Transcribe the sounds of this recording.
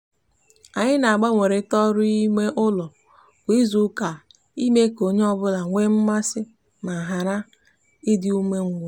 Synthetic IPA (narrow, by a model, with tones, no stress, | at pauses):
a˨ɲɪ˦na˨a˨ɡ͡ba˦ŋʷe˨ɾe˨˦tɔ˦ɾʊ˦i˦me˦ʔʊ˦lɔ˨ | kʷi˦zu˦ka˨ | i˦me˦ko˨ɲe˦ɔ˦bʊ˦la˨ŋʷe˦m̩˦ma˦sɪ˦ | ma˨ɦa˨ɾa˦ | ɪ˦dɪ˦u˦me˦ŋ̩˨ɡʷo˨